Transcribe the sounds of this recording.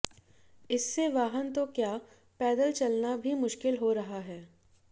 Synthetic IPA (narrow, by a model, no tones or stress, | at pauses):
ɪsːeʋaːɦənt̪okjaː | pɛːd̪əlt͡ʃɐlnabʱimʊʃkɪlɦoɾɐɦaɦɛː